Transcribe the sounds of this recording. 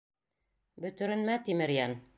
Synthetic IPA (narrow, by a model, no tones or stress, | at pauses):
bɵ̆t̪ɵ̆ɾɘ̆nmæt̪imɘ̆ɾjæn